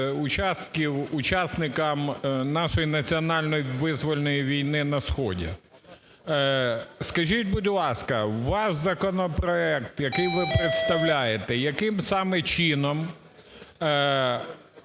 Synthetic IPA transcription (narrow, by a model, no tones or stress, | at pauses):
ʊt͡ʃɑst̪̚kʲiwʊt͡ʃɑsnɪkɐmnɑʃɔjinɐt͡sʲiɔnɑlʲnɔjiʋɪzʋɔlʲnɔjiʋʲijnɪnɐsxɔ̰dʲḭ | skɐʒʲit̚ʲbʊdʲlˠɑskɐʋɑʃzɐkɔnɔpɾɔɛk̚t̪jɐkɪjʋɪpɾet̪st̪ɐwlʲajet̪ɛjɐkɪmsɑmɛt͡ʃinɔm